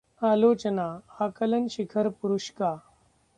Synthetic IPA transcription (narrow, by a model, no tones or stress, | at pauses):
aːloːt͡ɕənaakələnɕikʰəɾpuɾuɕka